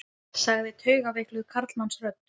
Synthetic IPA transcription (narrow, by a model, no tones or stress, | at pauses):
saɣðɪt̪ʰœːɥɣavɪklʏðkʰaɾt̪lnamsrœp̚n̥